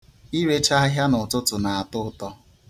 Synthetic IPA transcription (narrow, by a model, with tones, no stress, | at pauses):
i˦we˦t͡ʃa˦ɦja˦nʊ˨tʊ˦tʊ˨na˨a˨tʊ˦tɔ˦